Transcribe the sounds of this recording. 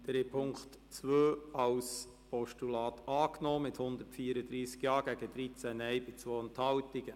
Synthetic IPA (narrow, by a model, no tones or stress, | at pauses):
d̥ɾepʰʊŋktt͡sʋøːɑws | pɔʃtulɑːt̪ɑːknɔːmɪthʊnd̪əɾtfiːəɾəd̪ɾiːskjɑːɡ̥æɡ̥əd̥ɾit͡sænɛjbɪt͡sʋoːənthɑlt̪iɡ̥ə